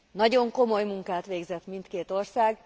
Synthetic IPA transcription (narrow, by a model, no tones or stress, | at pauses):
nɒɟo̞ŋko̞mo̞jmuŋkaːt̪ʋeːɡzɛt̪mint̪keːt̪o̞rsaːɡ